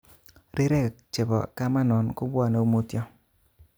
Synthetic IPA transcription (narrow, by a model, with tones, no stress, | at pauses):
ɾɪ˦ɾɛ˦˨kt͡ʃe˨bɔ̰˨ka˦ma˦nɔ˨nkʊ˦bwa˦˨no˨˦u˦mo˦tjɔ˦